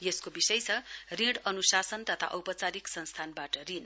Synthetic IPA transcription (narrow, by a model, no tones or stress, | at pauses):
jeskobisʌjt͡sʰʌrĩɽʌnusasʌnt̪ʌt̪ʰa̰ʔʌwpʌt͡saɾiksʌ̃nst̪ʰanbaʈʌrin